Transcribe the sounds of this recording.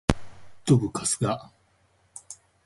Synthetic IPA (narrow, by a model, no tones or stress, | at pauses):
t̪obɯ̟kasɨ̥ɡa